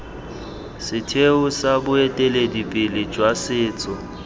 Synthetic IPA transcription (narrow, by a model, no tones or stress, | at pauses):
sɪtʰeʊsabʊetʼeledipʼɪlɪd͡ʒwasɪːt͡sʼɔ